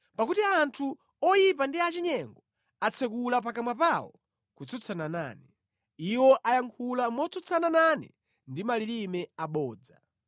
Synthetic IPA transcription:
pakutiantʰu | ɔjipandiat͡ʃiɲɛŋɡɔ | at͡sʰɛk̬ulap̬akamwapawɔ̰ | kut͡sʰɔt͡sʰanana̰ːnɛ | iwɔʔajaŋkʰulamɔt͡sʰɔt͡sʰanananɛ̰ | ndimalilimɛaɓɔːd͡za̰

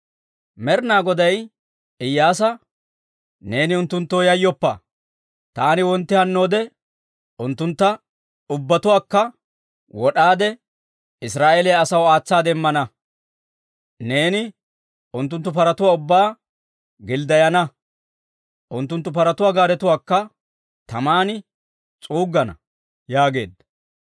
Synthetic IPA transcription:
mɛɾnaːɡɔd̪ɐj | ɪjːaːs̬ɐ | ne̞ːnɪʊnt̪ːʊnt̪ːoːjɐjːɔpːɐ̰ | t̪aːnɪwɔnt̪ːɪhɐnːo̞ːd̪ɛ | ʊnt̪ːʊnt̪ːɐ | ʊbːɐt̪ʊwaːkːɐ | wɔɗaːd̪ɛ | ɪsɾaːʔelɛjɐsɐwaːt͡sːaːd̪ɛmːɐnɐ | ne̞ːnɪ | ʊnt̪ːʊnt̪ːʊpɐɾɐt̪ʊwaːʊbːaː | ɡɪld̪ɐjɐnɐ | ʔʊnt̪ːʊnt̪ːʊpɐɾɐt̪ʊwaːɡaːɾɛt̪ʊwaːkːɐ | t̪ɐmaːnɪ | t͡sʼuːɡːɐnɐ̰ | jaːɡe̞̰ːd̪ɐ

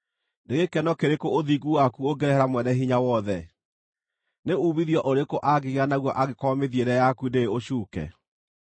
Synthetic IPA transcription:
ndeɣekɛnɔkeɾekooðiɡuwakuoɡɛɾɛhɛɾamwɛnɛɦiɲawɔðɛ | neuːβiðjɔʔoɾekoʔaɡeɣeanaɣwɔʔaɣekɔmeðieɾɛjakundeeoɕuːkɛ̰

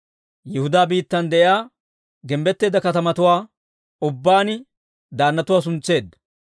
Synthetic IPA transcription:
jɛhʊd̪aːbiːt̪ːɐnd̪ɛʔɪjaː | ɡɛmbɛt̪ːe̞ːd̪ɐkɐt̪ɐmɐt̪ʊwaː | ʊbːaːnɪ | d̪aːnːɐt̪ʊwaːs̬ʊnt͡sːe̞ːd̪ːɐ

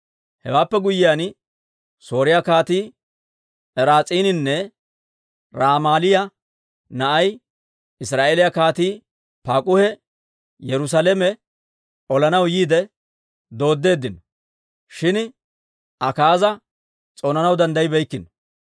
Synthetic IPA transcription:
hɛ̰waːpːɛɡʊjːɪjaːn | so̞ːɾɪjakaːt̪iː | ɛɾaːt͡sʼiːnɪnːɛ | ɾaːmaːlɪjɐ | nɐʔɐj | ɪsɾaːʔeːlɪjakaːt̪iː | paːkʼʊhɛ | jɛɾʊs̬alɛmɛ | ʔɔlɐnɐwjiːd̪ɛ | d̪o̞ːd̪ːe̞ːd̪ːɪnɔ | ʃɪn | ʔɐkaːzɐ | t͡sʼoːnɐnɐwd̪ɐnd̪ɐjɪbɛjkːɪnɔ

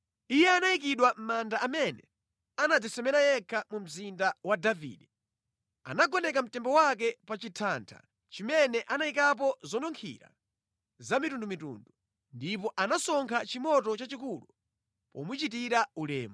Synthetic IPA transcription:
ijɛanaikiɗwam̩mandaamɛnɛ̰ | anad͡zisɛmɛnajɛkʰamum̩zindawadavḭːɗɛ | a̰naɡɔnɛkam̩tɛmbɔwak̬ɛpat͡ʃitʰantʰa̰ | t͡ʃimɛnɛʔanaikap̬ɔzɔnɔŋkʰḭɾa̰ | zamitundumitṵndu | ndipɔʔanasɔŋkʰat͡ʃimɔtɔt͡ʃat͡ʃikulu | pɔ̰mut͡ʃit̬iɾaulɛ̰ːmu

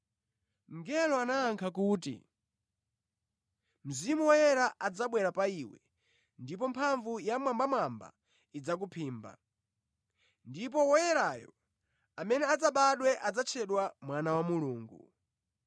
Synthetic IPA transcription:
ŋɡɛlɔanaːŋkʰakuːtḭ | m̩zimuwɔjɛɾaʔad͡zaɓwɛɾapaiwɛ̰ | ndip̬ɔmpʰaɱvujamwambamwamba̰ | id͡zak̬upʰiːmba̰ | ndip̬ɔwɔjɛɾajɔ̰ | amɛnɛad͡zaɓaɗwɛʔad͡zat͡ʃʰɛɗwamwanawamuluːŋɡu

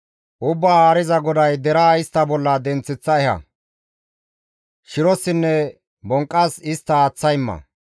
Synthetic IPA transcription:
ʔʊbːaːaːɾɪzɐɡɔd̪ɐjd̪ɛɾaːɪst̪ːɐbɔlːɐd̪ɛnt͡sːɪt͡sːɐɛhɐ̰ | ʃɪɾɔsɪnːɛ | bɔŋkʼːɐsɪst̪ːɐːt͡sːɐjmːɐ̰

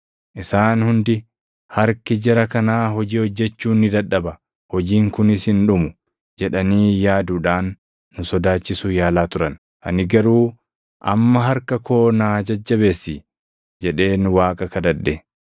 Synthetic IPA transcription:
ʔɪsaːnhʊnd̪ɪ | hɐɾkɪd͡ʒɛɾɐkɐnaːɦɔd͡ʒiːhɔd͡ʒːɛt͡ʃːuːnːɪd̪ɐᶑːɐbɐ | hɔd͡ʒiːŋkʊnɪshɪnᶑʊmʊ | d͡ʒɛᶑɐniːjaːd̪uːᶑaːnː | ʊsɔd̪aːt͡ʃːɪsʊjaːlaːt̪ʊɾɐn | ʔɐ̰nɪɡɐɾuː | ʔɐ̰mːɐɦɐɾkɐkʰo̞ːnaːd͡ʒɐd͡ʒːɐbe̞ːsːiː | d͡ʒɛᶑe̞ːnʊwaːkʼɐkɐd̪ɐd̪ːɛ

